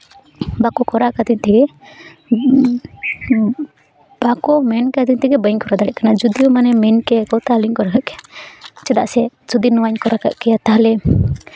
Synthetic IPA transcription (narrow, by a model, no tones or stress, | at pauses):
bakɔkɔɾakad̪iɲt̪ɛɡɛ | b̥akɔmɛnkad̪iɲt̪ɛɡɛbəɲkɔɾad̪aɽɛʔkanad͡ʒud̪ijɔmanɛmɛnkɛkɔt̪aliɲkɔɾakaʔkɛjat͡ʃɛd̪aʔsɛd͡ʒud̪inɔwaɲkɔɾaka̰ʔkɛjat̪aɦlɛ